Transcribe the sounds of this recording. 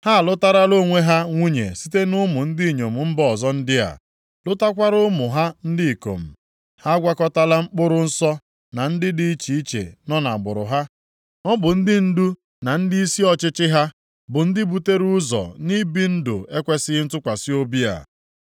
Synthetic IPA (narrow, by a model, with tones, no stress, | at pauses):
ha˦˨lʊ˦ta˦ɾa˦lo˦˨ŋʷe˦ɦa˦ŋʷu˦ɲḛ˨si˦te˦nʊ˦mʊ˨n̩˦di˦i˨ɲo˨m̩˨m̩˦bɔ˨zɔ˦n̩˦dɪ˦a̰˨ | lʊ˦ta˦kʷa˦ɾʊ˦mʊ˨ɦa˦n̩˦dɪ˦i˨ko̰˨m̩˨ | ha˦ɡʷa˦kɔ˦ta˦la˦ŋ͡m̩˦k͡pʊ˦ɾʊ˦n̩˦sɔ˦ | na˨n̩˦dɪ˦di˦i˦t͡ʃi˨i˦t͡ʃḛ˨nɔ˦na˨ɡ͡bʊ˨ɾʊ̰˨ɦa˦ | ŋɔ˦bʊ˨n̩˦dɪ˦n̩˦du˦ | na˨n̩˦di˦i˦si˦ɔ˨t͡ʃɪ˦t͡ʃɪ˦ɦa˦ | bʊ˨n̩˦dɪ˦bu˦te˦ɾu˦zɔ̰˨ni˦bi˦n̩˦dʊ̰˨e˦kʷe˦sɪ˦n̩˦tʊ˦kʷa˨sɪ˦o˦bi˦a̰˨